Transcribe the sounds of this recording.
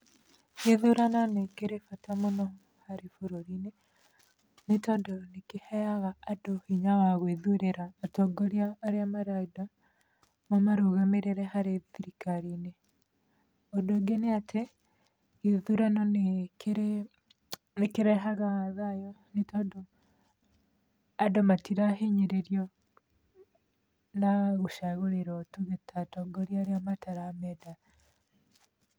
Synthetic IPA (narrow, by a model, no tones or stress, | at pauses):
iðuɾananekeɾefatamonɔ | haɾifuɾoɾine | netɔdɔnekihɛjaɣaːdohiɲawaɣweðuɾeɾaːtɔɡoɾjaːɾeamaɾaida | mamaɾuɣameɾeɾehaɾeðiɾikaɾine | ɔdoɡeneatʰe | iðuɾanonekeɾe | nekeɾɛɦaɣaðajɔnetodo | adomatiɾaɦeɲeɾeɾjɔ | naɣuʃaɣoɾeɾɔtuɣetatoɡɔɾjaɾeamataɾamɛda